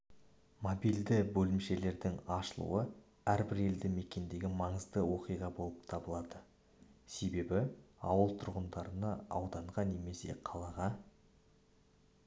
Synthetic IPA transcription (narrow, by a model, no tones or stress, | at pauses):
mobijld̪ɪbɵlɪmʃe̞le̞ɾd̪ɪŋɑʃəlˠṵwə | æɾbɪɾe̞ld̪ɪme̞kʲe̞nd̪e̞ɡʲɪmɑɴəzd̪əwo̞qijʁɑbo̞lˠəpt̪ʰɑbəlˠɑd̪ə | se̞be̞bɪɑwəlˠt̪ʰʊɾʁənd̪ɑɾənɑɑ̰wd̪ɑɴʁɑne̞me̞se̞̰qʰɑlˠɑʁɑ